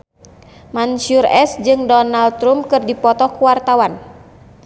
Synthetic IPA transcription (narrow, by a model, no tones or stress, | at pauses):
mansurɛsd͡ʒɨŋdɔnalɾumkɨrdipɔt̪ɔkuwart̪awan